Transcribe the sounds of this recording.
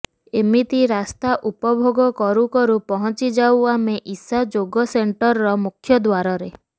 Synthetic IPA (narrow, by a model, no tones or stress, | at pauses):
emit̪iɾast̪aʔupɔbʱoɡɔkɔɾukɔɾupɔɦɔ̃t͡ʃid͡ʒawameʔisad͡ʒoɡɔseɳʈɔɾɔɾɔmukʰjɔd̪waɾɔɾe